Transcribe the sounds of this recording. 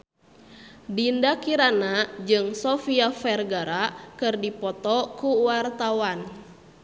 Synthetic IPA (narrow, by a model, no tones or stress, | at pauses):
dindakiɾanad͡ʒɨŋsɔfiafɛrɡaɾakɨrdipɔt̪ɔkuwart̪awan